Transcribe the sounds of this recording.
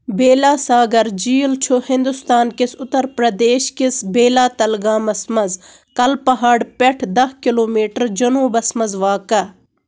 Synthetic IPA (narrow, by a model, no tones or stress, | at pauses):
beːlaːsaːɡɐɾd͡ʒiːlt͡ʃʰohɪ̃nd̪ʊst̪aːnkɪsʊt̪ːəɾpɾɐd̪eːʃkɪsbeːlaːt̪ɐlɡaːmɐsmɐz | kɐlpɐɦaːɽpeʈʰd̪ɐɦkɪloːmiːʈəɾd͡ʒɐnuːbɐsmɐzʋaːkɐ